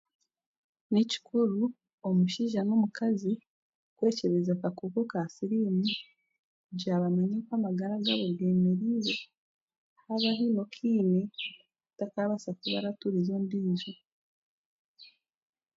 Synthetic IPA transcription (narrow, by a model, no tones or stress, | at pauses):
nici̥kʰuɾu | omuʃiːʒanomukazi | kwe̞ːce̞βezakakukokasiɾimi | ɟaːβamaɲekwamaɡaɾaɡaβoɡeːmeɾije | haβaɦino̞kʰiːne | takaβasakuβa̰ɾatuɾizondiːzu